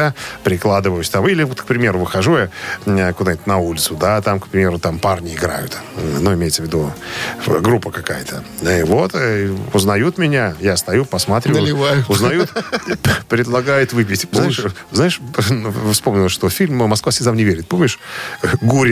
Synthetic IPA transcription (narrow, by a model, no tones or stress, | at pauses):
apɾʲɪklˠad̪ɨvəjʊsʲt̪amilʲɪvot̪kpɾʲɪmʲe̞ɾʊvɨxɐʐujaəkʊd̪aɪt̪ʲnɐulʲɪt̪sʊd̪at̪amkpɾʲɪmʲe̞ɾʊt̪amparnʲɪɪɡɾa̰jʊ̰t̪nuɪmʲejt̪səvʲɪd̪u | ɡɾupːəkɐkajət̪ʰə | vo̞t̪ʊznɐjut̪mʲɪnʲajast̪ɐjupəsmɐt̪ɾʲʊvajʊznɐjut̪ | pɾʲɪd̪lˠɐɡajʊt̪vɨp̬ʲɪtʲpoaɪɪʂznaɪʂ | fspo̞mnʲɪlˠəʂt̪ofʲilʲmmɐskvasʲɪzamnʲɪvʲeɾʲɪt̪̚po̞mnʲɪʂɡuɾʲɪ